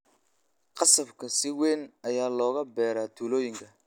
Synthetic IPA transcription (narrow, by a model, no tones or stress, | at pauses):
qɑsɐbkʰɐsɪwɛnɐjaːlɔːɣɐbɛːɾaːt̪ʰuːlɔːjɪŋkʰɐ